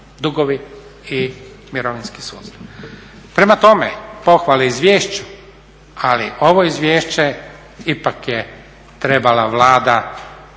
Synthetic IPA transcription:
d̪uɡoʋi | i | miɾoʋinski̥sṵːt̪st̪aʋpɾe̞mat̪o̞mḛpo̞xʋaleizʋjeːʃt͡ɕu̥ | alḭʔo̞ʋoizʋjeːʃt͡ɕe | ipakje | t̪ɾe̞balaʋlˠaːd̪a

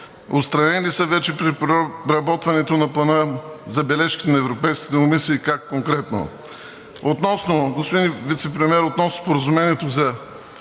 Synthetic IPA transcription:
ot̪st̪ɾɐnɛlisɐvɛt͡ʃɛpɾiɾɐbɔt̪vɐnɛt̪onɐplˠɐnəzɐbɛlɛʃkʲi̥t̪ɛnɐɛvɾopɛjski̥t̪ɛomisiːkakːoŋkɾɛt̪no̰ | ot̪nɔsnoɡospod̪invit̪sɛpɾɛmɛɾot̪nɔsnospoɾɐzumɛniɛt̪ozɐ

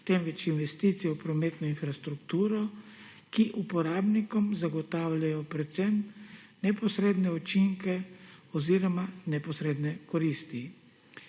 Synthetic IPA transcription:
t̪emʋɛt͡ʃinʋɛst̪it̪sijɛwpɾɔmeːt̪nɔinfɾast̪ɾukt̪uːɾɔ | kiʔupɔɾaːbnikɔmzaɡɔt̪aːwlajɔpɾɛt̪sɛm | nɛpɔsɾeːd̪nɛɔt͡ʃiŋkɛɔziːɾɔmanɛpɔsɾeːd̪nɛkɔɾist̪i

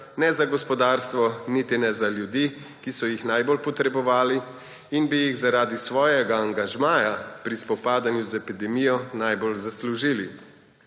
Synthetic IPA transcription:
nɛzaɡɔspɔd̪aːɾst̪ʋɔnit̪inɛzaljud̪i | kisɔjixnajbɔlpɔt̪ɾɛbɔʋaːli | inbijiɣzaɾaːd̪isʋɔːjɛɡaːŋɡaʒmaːjapɾispɔpaːd̪anjuzɛpid̪ɛmijɔnajbɔlzasluʒili

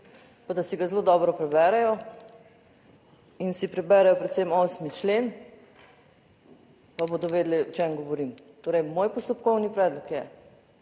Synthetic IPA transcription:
pad̪asiɡazloːd̪ɔːbɾɔpɾɛbɛɾɛjɔ | insipɾɛbɛɾɛjɔpɾɛt̪semoːsmit͡ʃleːn | pabod̪ɔʋeːd̪liɔt͡ʃemɡɔʋɔɾiːmt̪oːɾɛjmoːjpɔst̪ɔpkɔwnipɾɛːd̪lɔkjɛ

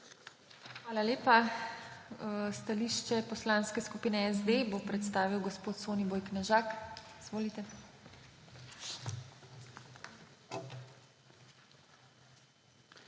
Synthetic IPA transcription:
xʋaːlaleːpa | st̪aliʃt͡ʃɛpɔslaːnskɛskupiːnɛɛzd̪ebopɾɛt̪st̪aːʋiwɡɔspoːt̪soːniboːjknɛʒaːkiz̥ʋoːlit̪ɛ

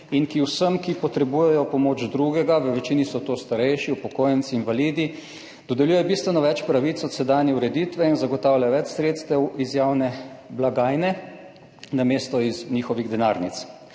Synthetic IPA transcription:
inkiwsəmkipɔt̪ɾɛbujɛjɔpɔmoːd͡ʒd̪ɾuɡɛɡaʋəʋɛt͡ʃinisɔt̪ost̪aɾɛjʃiupɔkoːjənsiːnʋalid̪i | d̪̥ɔd̪ɛljuːjɛbist̪ʋɛnɔʋɛt͡ʃpɾaʋit̪sɔt̪sɛd̪aːnjɛuɾɛd̪iːt̪ʋɛinzaɡɔt̪aːwlʲjaʋɛt͡ʃsɾet̪st̪ɛwizjaːwnɛblaɡaːjnɛ | nameːst̪ɔiznixɔʋiɣd̪ɛnaːɾnit̪s

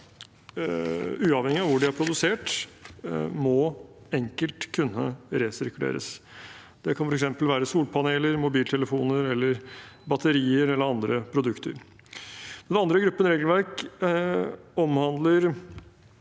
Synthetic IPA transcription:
ʉːɑʋhɛŋɪɑʋʊɖɪæɾpʰɾʊd̪ʉseːʈ | mɔɛŋkəlt̪kʰʉnːə̰ɾesɪɾkʉlḛːɾə̰s | d̪̥ɛkʰɑnfɔɾɛksɛmpəlʋæːɾəsuːlpʰɑneːləɾmʊbiːlt̪ʰɛləfuːnəɾɛlːəɾbɑt̪əɾiːəɾɛlːəɾɑnd̪ɾəpʰɾʊd̪ʉkt̪ə̰ɾ | d̪ɛnɑnd̪ɾəɡɾʉpːənɾeːɡl̩ʋæɾk | ɔmhɑnd̪ləɾ

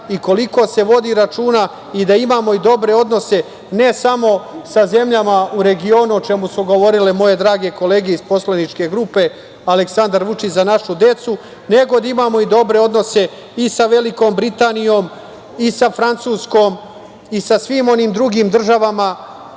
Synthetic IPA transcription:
iko̞liko̞se̞ʋo̞d̪iɾat͡ʃuːna | id̪aimaːmo̞id̪o̞bɾe̞o̞d̪no̞se̞ | ne̞samo̞saze̞mʎamauɾe̞ɡio̞ːnuot͡ʃe̞musuɡo̞ʋo̞ɾilemo̞je̞d̪ɾaːɡe̞ko̞le̞ːɡeispo̞slenit͡ʃke̞ɡɾuːpe̞ | aleksand̪aɾʋut͡ʃit͡ɕzanaʃud̪e̞t̪su | ne̞ɡo̞d̪aimaːmo̞id̪o̞bɾe̞o̞d̪no̞se̞ | isaʋe̞liko̞ːmbɾit̪aːnijo̞m | isafɾant̪suːsko̞ːm | isasʋiːmo̞niːmd̪ɾuɡiːmd̪r̩ʒaʋama

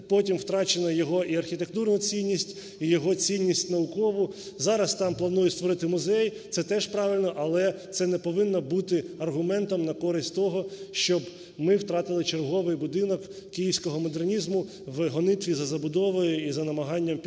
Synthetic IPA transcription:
pɔtʲimwt̪ɾɑt͡ʃenɔjɔɦɔʔiɐrxʲit̪ekt̪urnʊt͡sʲinʲːisʲtʲ | ijɔɦɔt͡sʲinʲːisʲtʲnɐʊkɔʋʊ | zɑɾɐst̪ɑmplˠɐnujɛst̪ʋɔɾɪt̪ɪmʊzɛjt̪sɛt̪ɛʃpɾɑʋʲɪlʲnɔʔɐlˠɛt̪sɛnɛpɔʋɪnːɔbut̪ɪɐrɦʊmɛnt̪ɔmnɐkɔɾɪsʲtʲt̪ɔɦɔʃt͡ʃɔb | mɪwt̪ɾɑt̪ɪlˠɪt͡ʃerɦɔʋɪjbʊd̪ɪnɔkː | ijiwsʲkɔɦɔmɔd̪ernʲizmʊ | ʋɦɔnɪt̪ʋʲizɐzɐbʊd̪ɔʋɔjʊizɐnɐmɐɦɑnʲːɐmpʲ

